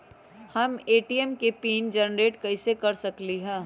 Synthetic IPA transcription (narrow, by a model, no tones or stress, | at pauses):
hɐmeːʈiɛmkepiːnd͡ʒɐnɾeːʈkɐɪsekɐɾsɐkliɦɛ̃ː